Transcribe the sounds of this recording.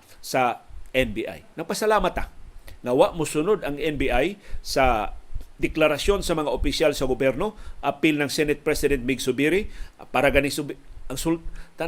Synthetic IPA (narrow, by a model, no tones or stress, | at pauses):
sɐʔɛnbiʔa̰jnɐɡ̚pɐsɐlaːmɐt̪aŋɐwaʔmʊsʊnod̪ɐŋʔɛnbiʔajsɐd̪ɪklaɾɐsjo̞nsɐmɐŋaʔopɪsjalsɐɡʊbjɛɾno̞ʔɐpɪlnɐŋsɛnɛt̪̚pɾɛsɪd̪ɛnt̪mɪɡsʊbɪɾɪpaːɾɐɡɐnɪsɐŋsult̪a